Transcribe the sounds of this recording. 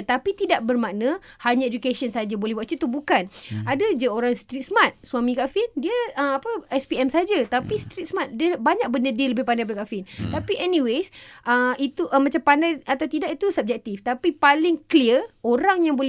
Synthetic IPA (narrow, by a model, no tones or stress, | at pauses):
ət̪apit̪idaʔ̚bərmanə̃haɲaed͡ʒukesənsad͡ʒabolɛhbaʔt͡ʃət̪ubukanadad͡ʒəoɾaŋst̪ɾit̪̚smat̪̚suamĩkafɪndiəəmapəɛspiɛmsad͡ʒat̪apist̪ɾit̪̚smat̪̚diəbaɲak̚bəndədiələbɪhpandajpadkafɪnt̪apiʔɛniwesʔəit̪uʔmãt͡ʃampandajat̪awt̪idaʔit̪usəp̚d͡ʒɛk̚t̪ift̪apipalɪŋkliəoɾaŋjaŋbolɛ